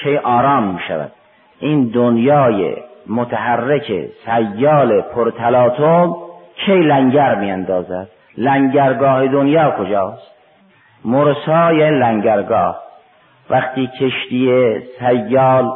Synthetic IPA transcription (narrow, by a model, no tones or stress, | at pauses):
kʰejʔɒːɾɑːmːiːʃæ̰væ̰d̪̥ | ʔiːnd̪onjɑːjḛmot̪ʰæɦærːekʰḛsæjːɑːlepʰoɾt̪ʰælɑːt̪ʰomkʰejlæŋɟæɾmiːænd̪ɒːzæd̪̥ | læŋɟæɾɡɒːhed̪onjɑːkʰod͡ʒɑːst̪̚ | moɾsɑːjæːnilæŋɟæɾɡɒːh | væχt̪iːcʰeʃt̪ijesæjːɒːl